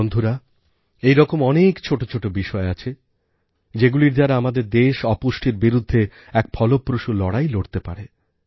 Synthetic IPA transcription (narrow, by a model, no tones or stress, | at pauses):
ond̪ʱuɾa | ejɾɔkomɔnekt͡ɕʰoʈot͡ɕʰoʈobiʃɔeat͡ɕʰe | d͡ʑeɡuliɾd͡ʑaɾaamad̪eɾd̪eʃɔpuʃʈʰiɾbiɾud̪ʱːe | ɛk̚pʰɔlopːɾoʃulɔɽajloɽt̪epa̰ɾe